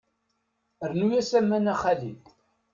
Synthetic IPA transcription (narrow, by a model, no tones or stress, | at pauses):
əɾnujæsæmːænæχælḭl